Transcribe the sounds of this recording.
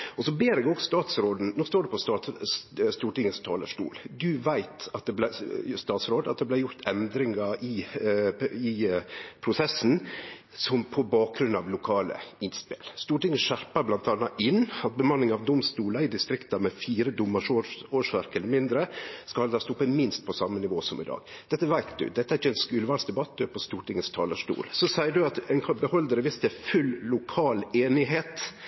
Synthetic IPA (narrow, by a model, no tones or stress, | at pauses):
ɔsɔbeːɾɛɡoɡst̪ɑːt̪sɾoːd̪n̩noːst̪oːɖɛpʰɔst̪ɑ | st̪uːʈɪŋːəst̪ʰɑːlə̰ʂʈṵːld̪ʉʋæɪt̪ɑt̪̚d̪ɛblæst̪ɑːt̪sɾoːd̪ɑt̪̚d̪ɛblæɪjʊɾt̪ʰɛnd̪ɾɪŋɑɪ | ɪpʰɾʊsɛsn | sɔmpʰɔbɑːk̚ɡɾʉnɑʋlʊkʰɑːlə̰ɪnspɪlst̪uːʈɪŋːəʃæɾpɑblɑnt̪ɑnːɑʔɪnːɑt̪̚bəmɑnːɪŋɑʋd̪ʊmst̪uːlɑɪd̪ɪst̪ɾɪkt̪ɑmɛfiːɾəd̪ʊmːɑʂooːʂʋæɾkɛləɾmɪnd̪ɾəskɑhɑld̪ɑst̪ɔpːəmɪnst̪̚pʰɔsɑmːənɪʋoːsɔmɪd̪ɑ̰ːɡ̥d̪ɛt̪ːəʋæɪt̪d̪ʉ̰d̪ɛt̪ːəæɾɪəɛnskʉːlʋɑlsd̪ɛbɑt̪̚ːd̪øːpʰɔst̪uːʈɪŋːəst̪ʰɑːləʂʈṵːlsɔsæɪəɖʉɑt̪ɛnkʰɑbəhɔld̪əɾəʋɪst̪əfʉlːʊkʰɑːleːnɪɦeːt̪